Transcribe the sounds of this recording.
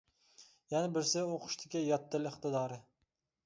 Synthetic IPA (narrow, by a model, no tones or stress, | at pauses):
jɛnɪbɪɾsɪoqʰʊ̥ʃt̪ʰɪkʲɪjɑt̪ːɪlɪχt̪ɨd̪ɑːɾɪ